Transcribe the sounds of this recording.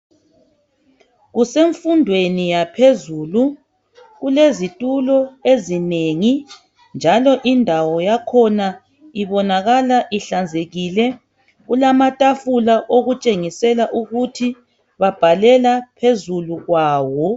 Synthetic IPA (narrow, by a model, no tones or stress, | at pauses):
ɣuseɱfundʱwenijapʰezuːlu | ɣulezitʼulɔezineŋi | nd͡ʒʱalɔʔindʱawɔjakʰɔna | iβɔnaɣalaʔiɬand͡zʱeɣilɛ | ɣulamatʼafulaʔoɣut͡ʃʼeŋisɛlaʔuɣutʰi | βab̥ʱalɛlapʰezuluɣwaːwɔ